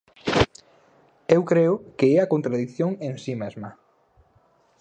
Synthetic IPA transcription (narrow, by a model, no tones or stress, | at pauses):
ewkɾeʊkeɛɐkont̪ɾaðikθjoŋeŋsimezmɐ